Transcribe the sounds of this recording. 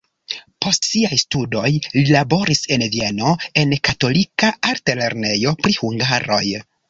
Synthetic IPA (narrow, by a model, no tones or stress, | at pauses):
po̞stsiajstudo̞jlilabo̞ɾise̞nvie̞no̞e̞nkato̞likaʔaɾtele̞ɾne̞jo̞pɾihuŋɡaɾo̞j